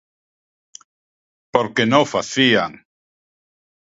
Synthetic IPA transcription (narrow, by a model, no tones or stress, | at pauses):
poɾkenõfaθiaŋ